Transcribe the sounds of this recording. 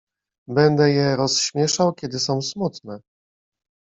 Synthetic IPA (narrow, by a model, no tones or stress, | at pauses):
bɛnd̪ɛjɛɾɔsɕmʲjɛʂawkʲɛd̪ɘsɔ̃w̃smut̪nɛ